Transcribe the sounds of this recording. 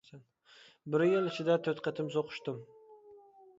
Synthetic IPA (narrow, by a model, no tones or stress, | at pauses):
san | bɪɾɪjɪlˠɪt͡ʃʰɪd̪at̪ʰɵt̪qʰət̪ʰɪms̬oqʰʊ̥ʃt̪ɪm